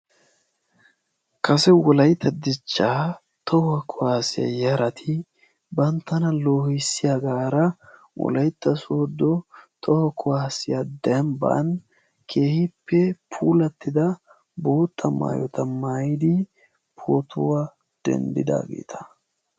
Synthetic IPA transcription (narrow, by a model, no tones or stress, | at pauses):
kɐsɛwɔlɐjt̪ːɐd̪ɪt͡ʃːaː | t̪ʰɔhʊɐkʰʊaːsɪja̰jɐɾɐt̪ʰɪ | bɐnt̪ːɐnɐlo̞ːhɪsːɪjaɡaːɾɐ | wɔ̰lɐjt̪ːɐsoːd̪ɔt̪ʰɔhɐkʰʊwaːsɪjad̪ɛmbɐ̰n | kʰeːhɪpʰːɛpʰuːlɐt̪ːɪd̪ɐ | bo̞ːt̪ːɐma̰ːjɔt̪ɐmaːjɪd̪ɪ | pʰoːt̪ʊwa | d̪̥ɛ̰nd̪ɪ̰d̪a̰ːɡḛːt̪ʰɐ̥